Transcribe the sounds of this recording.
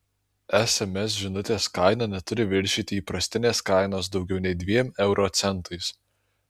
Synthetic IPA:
ɛsɛmʲɛs̬ʒʲɪnʊt̪ʲeːskɐɪnɑnʲɛt̪ʊɾʲɪʋʲɪɾʲʃʲiːt̪ʲɪiːpɾɐsʲt̪ʲɪnʲeːskɐɪnoːs̬d̪ɒʊɡʲɛʊnʲɛɪd̪ʲʋʲiɛmɛʊɾʔoːt̪sʲɛnˑt̪ʰɐɪs

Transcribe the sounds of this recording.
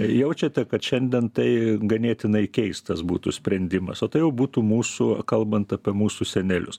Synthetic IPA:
jɛʊt͡ʃʲɛt̪ʲɛkɐt̪ʃʲɛnʲd̪ʲiɛnt̪ɐɪɡɐnʲiɛt̪ʲɪnɐɪkʲɛɪst̪t̪ɐsbṵːt̪ṵsʲpʲɾʲɛnʲd̪ʲɪmɐ̰soːt̪ɐɪjɛʊbuːt̪uːmuːsukɐlˠbɐnt̪ɐːpʲiɛmuːsuːsʲɛnʲɛlʲʊs

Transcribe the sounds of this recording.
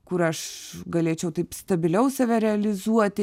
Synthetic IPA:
kʊɾɐʃɡɐlʲeːt͡ʃʲɛʊt̪ɐɪpst̪ɐbʲɪlʲɛʊsɐʋʲɛɾʲɛɐlʲɪzuɔt̪ʲ

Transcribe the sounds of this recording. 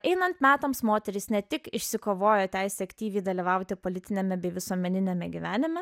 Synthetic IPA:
ɛɪnɐnt̪mʲæːt̪ɐmsmoːt̪ʲɛɾʲɪsnʲɛt̪ʲɪkɪʃʲsʲɪkoːʋoːjoːt̪ʲæɪsʲɛːɐkt̪ʲiːʋʲiːd̪ɐlʲiʋɐʊt̪ʲɪpoːlʲɪt̪ʲɪnʲɛmʲɛbʲɛɪʋʲɪsuɔmʲɛnʲɪnʲemʲɛɡʲiʋʲæːnʲɪmʲɛ

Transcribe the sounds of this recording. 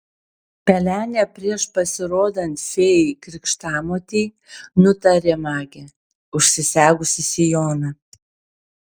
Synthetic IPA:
pʲɛlʲæːnʲɛpʲɾʲiɛʃpɐsʲɪɾoːd̪ɐnʲt̪fʲeːjɪkɾʲɪkʃt̪ɑːmoːt̪ʲiː | nʊt̪ɐɾʲeːmɑːɡʲɛ | ʊʃʲsʲɪsʲæːɡʊsʲɪsʲɪjoːnɐ

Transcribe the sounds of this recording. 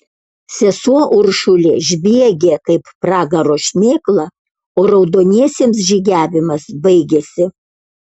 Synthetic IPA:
sʲɛsuɔʔʊɾʃʊlʲeːʒʲbʲiɛɡʲeːkɐɪppɾɑːɡɐɾoːʃʲmʲeːklˠɐ | oːɾɐʊd̪oːnʲiɛsʲeːms̬ʒʲiɡʲæːʋʲɪmɐsbɐɪɡʲeːsʲɪ

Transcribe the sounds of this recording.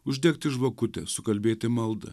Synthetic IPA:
ʊʒʲd̪ʲɛːkt̪ʲɪʒʋɐkʊt̪ʲɛ̰sʊkɐlʲbʲeːt̪ʲɪmɐlˠd̪ɐ̰

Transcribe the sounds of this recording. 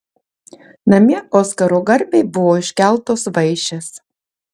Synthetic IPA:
nɐmʲiɛʔoːskɐɾoːɡɐɾʲbʲɛɪbʊʋoːɪʃʲkʲæˑlˠt̪oːsʋɐɪʃʲɛs

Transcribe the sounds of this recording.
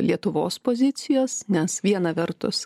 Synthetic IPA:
lʲiɛt̪ʊʋo̰ːspozʲɪt̪sʲɪjoːsnʲɛsʋʲiɛnɐʋʲɛɾt̪ʊ̰s

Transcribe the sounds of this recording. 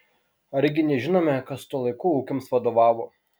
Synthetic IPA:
ɐɾʲɡʲɪnʲɛʒʲɪnoːmʲɛkɐst̪uɔlˠɐɪkuːuːkʲomsʋɐd̪oːʋɑːʋo

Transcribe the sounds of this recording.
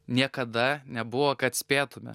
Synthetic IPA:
nʲiɛkɐd̪ɐnʲɛbʊʋokɐt̪sʲpʲeːt̪ʊmʲɛ̰

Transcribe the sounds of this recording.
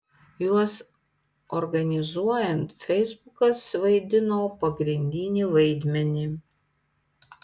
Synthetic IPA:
juɔs | ɔɾɡɐnʲɪzuɔjɛnt̪fʲɛɪzbʊkɐsʋɐɪd̪ʲɪnoːpɐɡɾʲɪnʲd̪ʲɪnʲiʋɐɪd̪ʲmʲɛnʲɪ

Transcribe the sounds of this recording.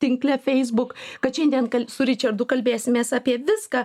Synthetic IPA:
t̪ʲɪŋklʲɛfʲɛɪzbʊkkɐt̪ʃʲɛnʲd̪ʲiɛnkɐlʲsʊɾʲɪt͡ʃʲɐɾd̪ʊkɐlʲbʲeːsʲɪmʲeːsaːpʲiɛʋʲɪskɑː

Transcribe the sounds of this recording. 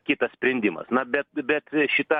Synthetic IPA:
kʲit̪ɐssʲpʲɾʲɛnʲd̪ʲɪmɐ̰snɐbʲɛt̪̚bʲɛt̪ʃʲɪt̪ɐ

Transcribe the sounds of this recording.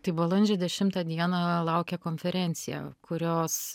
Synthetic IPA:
t̪ɐɪbolˠɐnʲd͡ʒʲɛd̪ʲɛʃʲɪmt̪ɑːd̪ʲiɛnɑlˠɐʊkʲɛkoːnʲfʲɛɾʲɛnʲt̪sʲɪjɛ̰kʊɾʲoːs

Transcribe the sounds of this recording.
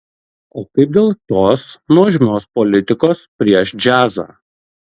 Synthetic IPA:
oːkɐɪp̚d̪ʲeːlˠt̪oːsnuɔʒʲɪmʲoːspɔlʲɪt̪ʲɪkoːspʲɾʲiɛʃd͡ʒʲæːza̰ː

